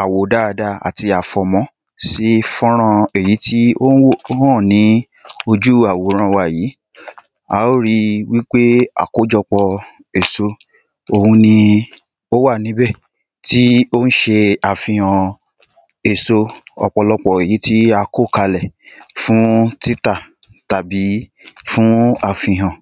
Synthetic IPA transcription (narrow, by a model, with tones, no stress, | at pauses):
a˨wo˨da˦˨˧da˦a̰˨ti˧a˨fɔ˧mɔ̃˧˦ | si˨˦fɔ̃˦ɾ̃ã˧e˨ji˨˦ti˦o˦hɔ̃˦˨nĩ˨˦ | o˧d͡ʒu˦a˨wo˨˦ɾ̃ã˧wa˨jiː˨˦ | a̰˦o˦ɾi˧wi˦k͡pe˦a̰˨ko˨˦d͡ʒɔ˧k͡pɔ˧ | e˨so˧ | o˧hũ˧nĩ˧ | o˦wa˦˨nĩ˨˦bɛ˦˨ | ti˦o˦n̩˦ʃe˧a˨fĩ˧hã˧ | e˨so˧ɔ̰˧k͡pɔ˧lɔ˧k͡pɔ˨e˨ji˨˦ti˦a˧ko˦˨ka˧lɛ˨fũ˨˦ti˦ta˦˨ | ta˨bi˨˦fũ˦a˧˨fĩ˧ɦã˨